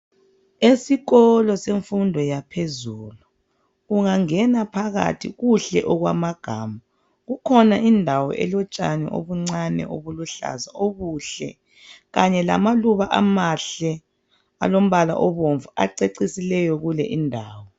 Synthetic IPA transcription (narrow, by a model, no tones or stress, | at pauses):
esiɣɔlɔseɱfundʱɔjapʰezulu | uŋaŋɛnapʰaɣa̰tʰḭɣuɬɛʔɔɣwa̰maɡ̥ʱaːma | ɣukʰɔnaʔindʱawɔ̰ʔɛ̰lɔt͡ʃʼanɛ̰ʔo̰βuŋ͡ǀanɛ̰ʔoβuluɬa̰za̰oɣuɬɛ̰ | ɣaɲɛla̰maluβaʔamaɬɛ | a̰lom̩βala̰ʔɔβoɱvua̰ǀeǀisilɛjɔɣulɛ̰ʔindʱaːwɔ